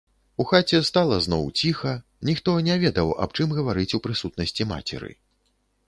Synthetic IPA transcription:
uxat͡sʲɛst̪alˠɐznɔwt͡sʲixɐ | nʲixt̪ɔnʲɛvʲɛd̪ɐwa̰pt͡ʂɨmɣɐvaɾɨt͡sʲupɾɨsut̪̚nɐsʲt͡sʲima̰t͡sʲɛ̰ɾɨ̰

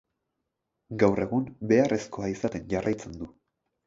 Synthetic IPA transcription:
ɡawre̞ɣumbe̞aresko̞aisat̪e̞nʝarʔajt͡se̞nd̪u

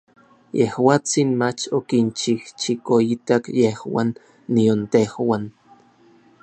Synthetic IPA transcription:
jehwaːt͡sinmat͡ʃokint͡ʃiht͡ʃikoit̪akjehwa̰nː | iont̪ehwan

